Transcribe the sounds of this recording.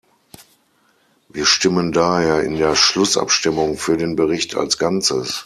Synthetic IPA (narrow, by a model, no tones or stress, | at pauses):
viːɐʃtɪməndaːheːɐɪ̰ndeːɐʃlʊsʔa̰pʃtɪmʊŋfyːɐdeːnbəʁɪçtʰa̰lsɡ̥ant͡səs